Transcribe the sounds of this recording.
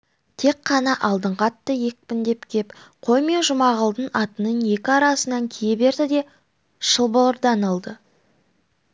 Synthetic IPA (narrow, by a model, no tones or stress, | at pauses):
t̪ʰe̞kqːɑnɑʔɑlˠd̪əɴqɑt̪ːəje̞k̚pɪnd̪e̞pkʲʰe̞pqʰo̞jme̞ʒʊmɑʁəlˠd̪ənɑt̪ənənje̞kʲɪɑɾɑsənɑŋkʲʰiejbe̞ɾd̪ɪd̪e̞ | ʃəlˠbəlˠəɾd̪ɑnəlˠd̪ə